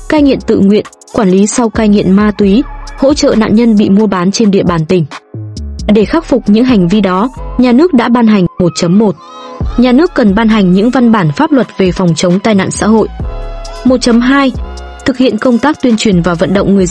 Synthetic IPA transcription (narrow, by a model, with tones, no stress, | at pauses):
kaː˧jŋḭ˧˨ənt̪ɨ̰˧˨ŋwḭ˧˨ən | kwaː˧˩nli˨˦sa˧wkaː˧jŋḭ˧˨ənmaː˧t̪wi˨˦ho̰˧˥t͡ɕə̰ː˧˨na̰ː˧˨nɲə˧nɓḭ˧˨mu˧əɓaː˨˦nt͡ɕe˧nɗḭ˧˨əɓaː˨˩nt̪ï˨˩ŋ̟ː˨˩ | ɗe˧˩xaː˦˥k̚fʊ˨˩k͡p̚ɲɨ̰˧˥ŋɦa˨˩jŋ̟vi˧ɗɔ˨˦ɲaː˨˩nɨ˦˥ək̚ɗa̰ː˧˥ɓaː˧nɦa˨˩jŋ̟mo˨˩t̚t͡ɕə˨˦mːo˨˩t̚ | ɲaː˨˩nɨ˦˥əkːə˨˩nɓaː˧nɦa˨˩ŋ̟ɲɨ̰˧˥ŋva˧nɓaː˧˩nfaː˦˥p̚lwə˨˩t̚ve˨˩fɔ˨˩wŋ͡mt͡ɕə˨˦wŋ͡mt̪aː˧jna̰ː˧˨nsa̰ː˧˥ɦo̰˧˨jʔmo˨˩t̚t͡ɕə˨˦mɦaː˧j | t̪ʰɨ˨˩k̚hḭ˧˨ənkə˧wŋ͡mt̪aː˦˥k̚t̪wi˧ənt͡ɕwi˨˩ənvaː˨˩və̰˧˨nɗə̰˧˨wŋ͡mŋɨ˨˩əz